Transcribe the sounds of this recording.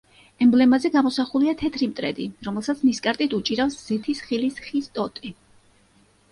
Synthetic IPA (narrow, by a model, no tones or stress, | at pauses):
ɛmblɛmazɛɡamɔsaχuliat̪ʰɛt̪ʰɾimt̪ʼɾɛ̰d̪ḭɾɔmɛlˠsat̪sʰniskʼaɾt̪ʼit̪ʰut͡ʃʼiɾafsz̥ɛt̪ʰisχilisχist̪ʼɔt̪ʼi